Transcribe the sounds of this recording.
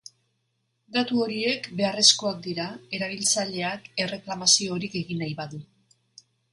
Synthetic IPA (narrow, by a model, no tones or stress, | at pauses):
ɡ̪at̪uo̞ɾie̞kbe̞are̞sko̞ak̚d̪iɾae̞ɾaβ̞ilt͡saʎe̞ake̞re̞klamasio̞ɾike̞ɣinajβaðu